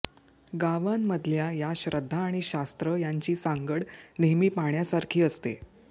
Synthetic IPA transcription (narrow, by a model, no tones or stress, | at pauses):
ɡaʋamːəd̪ʱljajaɕɾəd̪ʱːaːɽ̃iɕast̪ɾəjaɲt͡ɕiːsaŋɡəɽneɦmiːpaɳjasaɾkʰiːəst̪e